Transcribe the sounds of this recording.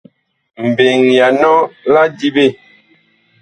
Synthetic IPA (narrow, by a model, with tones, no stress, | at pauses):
m̩˨be˨ŋja˨nɔ˦la˦di˦be˦˨